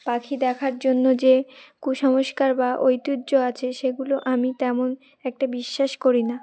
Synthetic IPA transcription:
pakʰid̪ɛkʰaɾd͡ʑonːod͡ʑekuʃɔmoʃkaɾbaʔojt̪udːd͡ʑoat͡ɕʰeʃeɡuloʔamit̪ɛmon | ɛk̚ʈabiʃːaʃkoɾina

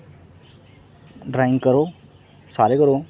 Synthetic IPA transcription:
ɖɾãɪŋɡkəɾoː | saːɾekəɾoː

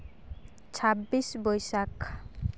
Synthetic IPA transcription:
t͡ɕʰabːiʃbojʃak

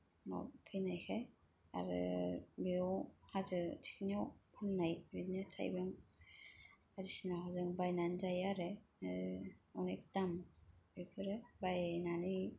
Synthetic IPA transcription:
nɔ̰pʰɯjnajkʰej | a̰ɾɯ̰biɔwhazɯtʰi̥kʰnijɔwpʰɯlnajbidnɯtʰa̰jbɯŋ | aɾisinahazɯŋbajnanzajaɾeɯɔnek̚tambɯkʰɯɾɯbajnanɯj

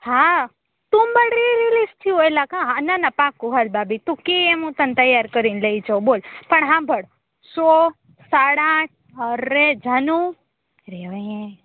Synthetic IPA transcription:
hã | t̪ũmbəɽɾiɾilist̪ʰiojlakãɦãnanapãkːuɦalbabit̪ũkeemũt̪ənt̪əjaɾkəɾinləid͡ʒobolpəɳɦãbʱəɽ | so | saɽãʈ̚ʰ | ɦəɾːed͡ʒʱənũ | ɾeʋajẽ

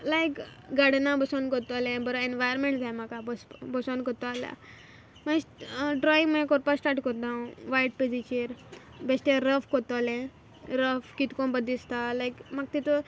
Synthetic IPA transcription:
lajkɡaɽnabəsɔnkɔɾt̪ɔalẽbəɾɔenʋajɾmẽɳʈd͡zajmakabəsbɔsɔ̃nkɔɾt̪ɔala̰ | masɖɾɔĩŋɡmajkɔɾpasʈaɾʈkɔɾt̪ãũʋajʈ̚ped͡zit͡ɕiɾbesʈeɾəfkɔt̪ɔlẽ | ɾəfkit̪kɔ̃nbəd̪ist̪alajkmaɡ̚t̪it̪o

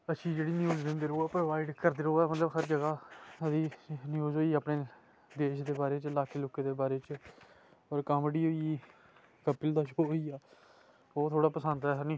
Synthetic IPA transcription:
əʃʰiːd͡ʒeːɽiːnɪjoːd͡ʒd̪ẽːnd̪eːɾoːɛːpɾoʋaːiɖkəɾd̪eːɾoːɛːmət̪ləbɦəɾd͡ʒəɡaːəd̪iːnɪjoːzɦoːiːaːpɳeː | d̪eːʃd̪eːbaːɾeːt͡ʃlaːkʰeːloːkẽːd̪eːbaːɾeːt͡ʃ | ɔːɾkəmɽiːɦoːi | kəpːɪld̪aːʃooːiːaː | oːt̪ʰoːɽaːpəsənd̪ɛːɦənĩː

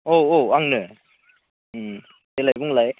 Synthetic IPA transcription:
oːaŋnɯ | telajbuŋlaj

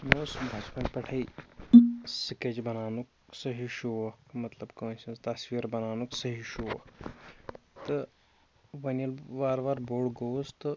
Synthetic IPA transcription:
noːsbʱɐt͡ʃpɐnpɐʈʰɐi | siked͡ʒbɐnaːnuk | sɐɦiʃuʋɐkmɐt̪lɐbkɐ̃ːnsɐ̃nst̪ɐsʋiːɾbɐnaːnuksɐɦiʃuʋɐk | t̪ɨ | ʋɐnɐlʋaːɾʋaːɾboːɽɡoːst̪ɨ

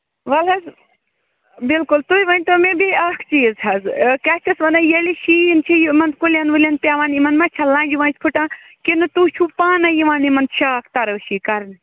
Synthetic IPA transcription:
ʋɐlɦɐz | bilkʊlt̪uiʋɐnʲt̪omẽbiaːkʰt͡ʃiːzɦɐzkaːt͡ʃʰɐsʋɐnajɐliʃiːint͡ʃʰijimɐnd̪kuljanʋulʲɐnpʲaʋaːnimɐnmãt͡ʃʰɐlãːnd͡ʒiʋãːnt͡ʃpʰuʈãː | kinɨt̪uːt͡ʃʰuːpaːnɐjiʋaːnimɐnd̪ʃaːk̚ʰt̪ɐɾəwʃikɐɾn

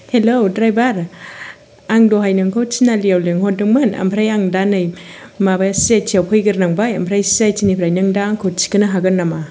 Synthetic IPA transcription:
helowdɾajbaɾ | aŋdoɦajnɯŋkʰowt͡ʃinaliawleŋhɔt̚dɯŋmɯna̰mpʰɾajaŋdanɯjmabajaset͡ʃʰiawpʰɯjɡɯɾnaŋbaja̰mpʰɾajsejt͡ʃinipʰɾajnɯŋdaŋkʰowt͡ʃi̥kɯnɯɦaɡɯnːama

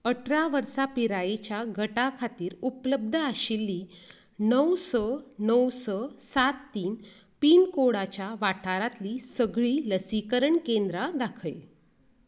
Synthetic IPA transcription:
əʈʰɾaʋəɾsapiɾajet͡ɕjaɡʱəʈakʰat̪iːɾupləb̚d̪ʱəaɕilːiː | nəwsɔnəwsɔsat̪ːiːn | piːnkoɽat͡ɕjaʋaʈʰaɾat̪liːsəɡɭiːləsikəɾəɳkend̪ɾad̪akʰəj

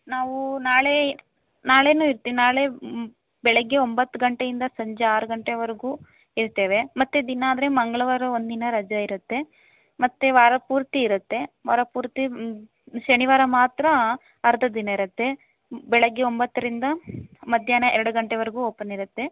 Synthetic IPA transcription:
naːʋunaːɭe̞ | naːɭe̞ːnuːiɾt̪ːiʋinaːɭe̞ | bɛɭɛɡːe̞o̞mbɐt̪ːuɡɐɳʈe̞jind̪ɐsɐɲd͡ʒeaːɾuɡɐɳʈeʋɐɾeɡuː | iɾt̪e̞ːʋe̞mɐt̪ːed̪inɐːd̪ɐɾemɐŋɡɐɭɐʋɐɾɐond̪inɐɾɐd͡ʒɐiɾut̪ːe̞ | mɐt̪ːeʋaːɾɐpuːɾt̪iːɾut̪ːe̞ʋaːɾɐpuːɾt̪i | ʃɐniʋaːɾɐmaːt̪ɾɐ | ɐɾɐd̪ʱɐd̪inɐiɾɐt̪ːe̞ | bɛɭɐɡːeombɐt̪ːɐɾind̪ɐmɐd̪ʱjaːnɐɛɾɐɽuɡɐɳʈeʋɐɾeɡuːoːpːɐniɾɐt̪ːe̞

